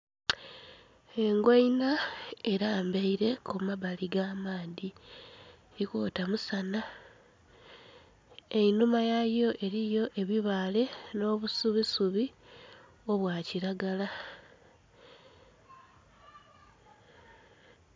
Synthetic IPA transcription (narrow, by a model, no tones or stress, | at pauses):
e̞ŋɡwainae̞ɾaːmbeiɾe̞kʰumaβaliɡaːmaːði | ɾikoːtamusana | e̞inumajajo̞ʔe̞ɾijo̞ʔe̞βiβaːle̞no̞ːβusuβisuβi | o̞βwaciɾaɡala